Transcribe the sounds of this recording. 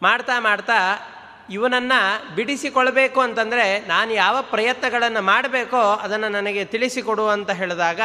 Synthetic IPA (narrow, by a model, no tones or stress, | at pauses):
maːɽt̪aːmaːɽt̪aː | iʋɐnɐnːɐbiɽisikɔɭɐbe̞ːkuɐnt̪ɐnd̪ɐɾe̞naːnujaːʋɐpɾɐjɐt̪nɐɡɐɭɐnːɐmaːɽɐbeːkoːɐd̪ɐnːɐnɐnɐɡe̞t̪iɭisikɔɽuɐnt̪ɐɦeːɭd̪aːɡɐ